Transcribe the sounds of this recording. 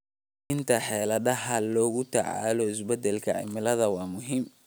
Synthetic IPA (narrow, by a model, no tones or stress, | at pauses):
ɪnt̪ʰɐħɛːlɐdɐɦɐlɔːɣʊt̪ʰɐʕa̰ːlɔɪsbɛd̪ɛlkʰɐ̰ʕɪ̰mɪlɐðɐwɑːmʊɦiːm